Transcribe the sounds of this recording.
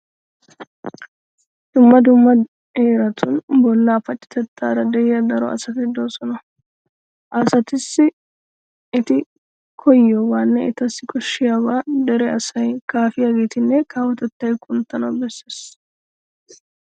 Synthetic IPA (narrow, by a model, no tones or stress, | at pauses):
d̪̥ʊmːɐd̪ʊmːɐ | heːɾɐt̪ʰʊnbɔlːaːfɐt͡ʃʼːɪ̥t̪ɛt̪ːaːɾɐd̪ɛjɪjɐd̪ɐɾɔɐ̰sɐt̪ɪd̪o̞ːsɔnɐ | ʔasɐt̪ɪsːɪ | ɪt̪ɪ | kʰɔjːɔwaːnːɛɪt̪ɐsːɪkʰʼɔʃːɪjabaːd̪ɛɾɛɐsɐjkaːfɪjaːɡeːt̪ɪnːɛkaːwɔt̪ɛt̪ːɐjkʼʊnt̪ːɐnɐwbɛsːeːs